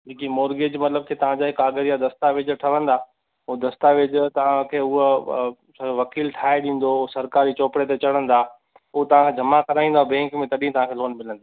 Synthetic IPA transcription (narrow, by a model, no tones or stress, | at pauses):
d͡ʑiːkimoːɾɡeːd͡ʑmɐt̪ləb̚kʰet̪ɐʋ̤ãd͡ʑaːɦɪkːaːɡəɾijad̪ɐst̪aʋɪd͡ʑʈʰɐʋə̃nd̪aː | ʊd̪ɐst̪aʋɪd͡ʑt̪ɐʋ̤ãkʰeːʊɦ | sʋɐkiːlʈʰaːeɗĩːn̆d̪osɐɾkaːɾit͡ɕoːpɽet̪et͡ɕɐɽ̤ə̃nd̪aː | ʊɦt̪ɐʋ̤ãkʰeːd͡ʑʱɐmakɐɾaːĩnd̪abɛ̃ːŋkmẽt̪ɐɗĩɦt̪ɐʋ̤ãːkʰeːloːnmɪlə̃nd̪aː